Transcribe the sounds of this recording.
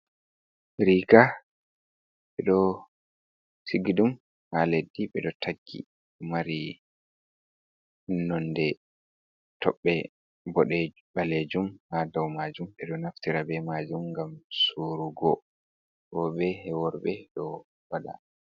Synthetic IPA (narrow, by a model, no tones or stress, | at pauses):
ɾika | ɓɛɗɔ | siɡidum | haledːiɓɛɗɔtʰaɡːḭ | maɾi | hunːɔndɛ | tɔɓːɛ | bɔɗɛ | baled͡ʒumhadawmad͡ʒumɓɛɗɔnaftiɾabɛmad͡ʒumŋɡamsuɾuɡɔ | bɔɓɛhɛwɔɾbɛɗɔ | wada̰